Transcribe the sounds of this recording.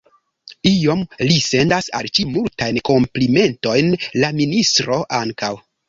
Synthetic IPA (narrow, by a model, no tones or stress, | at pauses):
io̞mlise̞ndasalt͡ʃimultajnko̞mplime̞nto̞jnlaministɾo̞ʔaŋkaw